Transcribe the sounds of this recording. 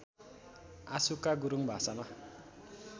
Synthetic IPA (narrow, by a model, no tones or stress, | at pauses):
a̰sukaɡuɾuŋbʱasama